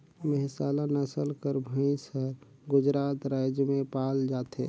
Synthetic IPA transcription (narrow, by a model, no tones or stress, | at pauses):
mɛɦsaːlanəsəlkəɾbʱəĩsəɾ | ɡʊd͡ʒɾaːt̪ɾaːjd͡ʒjəmẽpaːld͡ʒaːt̪ḛː